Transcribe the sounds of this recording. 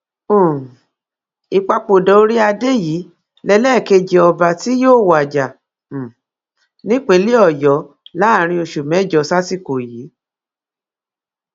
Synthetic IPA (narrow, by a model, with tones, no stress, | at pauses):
õ˦˨ | i˨k͡pa˧k͡po˨dɔ˨o˧˦ɾi˦a˧de˦ji˨˦ | lɛ˧lɛ˦˨ke˧d͡ʒe˨ɔ˧ba˨ti˨˦joː˦˨wa˨d͡ʒa˨ | nĩ˦k͡pẽ˧˦li˦ɔ˦˨jɔ˨˦ | la˨˦˨ɾ̃ĩ˧o˧˨ʃu˨mɛ̃˨˦˨d͡ʒɔ˨sa˦si˦˨ko˨ji˨˦